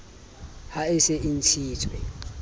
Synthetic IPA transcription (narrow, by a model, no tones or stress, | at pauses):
haɪsɛʔin̩t͡ʃʰiːtʰwɛ